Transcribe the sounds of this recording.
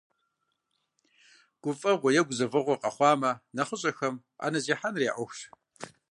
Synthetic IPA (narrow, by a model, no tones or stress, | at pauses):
ɡ̥ʷʊfʼɐʁʷɔjɛɡʷʊzɐvɨʁʷɔqʼɐχʷɑːmɐnɐχʷʊɕʼɐxɐm | a̰ːnɐziːħanreːʔʷɔxʷʃ